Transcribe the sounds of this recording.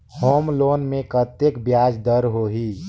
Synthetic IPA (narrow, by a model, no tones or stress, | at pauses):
hoːmloːnmẽkət̪ekbjaːd͡ʒd̪əɾɦoɦiː